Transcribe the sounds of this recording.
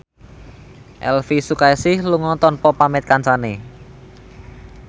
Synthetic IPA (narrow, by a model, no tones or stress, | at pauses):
ʔɛ̰lfisukaesɪhluŋɔt̪ɔnpɔpamɛt̪̚kansane